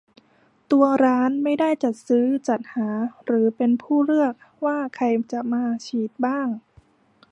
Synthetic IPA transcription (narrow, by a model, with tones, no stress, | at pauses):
t̪u˧ɐɾaː˦˥nma˥˩jda˥˩jt͡ɕa˨˩t̪̚sɯː˦˥t͡ɕa˨˩t̪̚haː˩˦ɾɯː˩˦pe˧npʰuː˥˩ɾɯ˥˩ək̚waː˥˩kʰa˧jt͡ɕa˨˩maː˧t͡ɕʰiː˨˩t̪̚baː˥˩ŋ